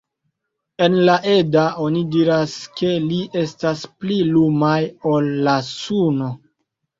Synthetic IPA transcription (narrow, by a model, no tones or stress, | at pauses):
e̞nlaʔe̞dao̞nidiɾaske̞liʔe̞stasplilumajo̞lːasuno̞